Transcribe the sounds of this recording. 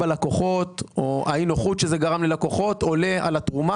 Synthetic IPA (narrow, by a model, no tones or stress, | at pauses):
alakoχo̞t̪oʔa̰inoχut̪ʃezeɡaʁamlelakoχo̞t̪ole̞ʔa̰lat̪ʁuma